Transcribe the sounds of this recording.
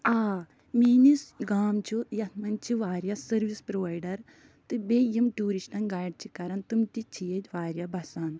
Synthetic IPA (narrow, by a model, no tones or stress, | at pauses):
aː | miːnisɡaːmt͡ʃʰujɐt̪ʰmɐnt͡ʃʰiʋaːɾjasɐɾʋispɾoʋaːjɖɐɾ | t̪ɨbeːjimʈuːɾiʃʈɐnɡaːjɖ̚t͡ʃʰikɐɾɐnt̪umt̪it͡ʃʰijed͡ʒʲʋaːɾjabɐsaːn